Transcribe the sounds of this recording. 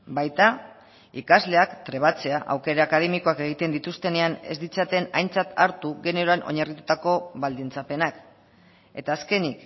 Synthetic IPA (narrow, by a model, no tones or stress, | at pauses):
bajt̪a | ikazle̞akt̪ɾe̞βat͡se̞aʔa̰wke̞ɾaːkað̞e̞miko̞ake̞ɣ̞it̪e̞nd̪it̪ust̪e̞ne̞ane̞̰zd̪it͡sat̪e̞na̰jnt͡sat̪aɾt̪uɣe̞nioɾoanʔo̞̰ɲarit̪ut̪ako̞βald̪int͡sape̞nak | e̞t̪aːske̞nik